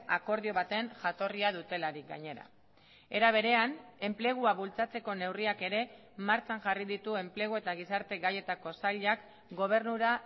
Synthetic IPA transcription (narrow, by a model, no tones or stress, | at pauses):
ako̞ɾð̞io̞βat̪e̞ŋʝat̪o̞riaðut̪e̞laɾik̚ɡa̰ɲe̞ɾa̰ | e̞ɾaβ̞e̞ɾe̞ane̞mple̞ɣ̞uaβult͡sat͡se̞ko̞ne̞wriake̞ɾe̞ | maɾt͡ʃaŋʝariðit̪ue̞mple̞ɣ̞oe̞t̪aɣ̞isaɾt̪e̞ɣaje̞t̪ako̞saʎak | ɡo̞β̞e̞ɾnuɾa